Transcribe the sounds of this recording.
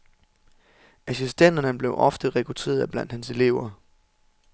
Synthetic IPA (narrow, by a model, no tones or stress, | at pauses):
æsisd̥en̰d̥ɐnəb̥le̝ʊʔɒ̽fd̥əʁɛkʰʁut͡sʰe̝̰ːɐðˠb̥læn̰d̥hænse̝le̝̰ʊ̰ɐ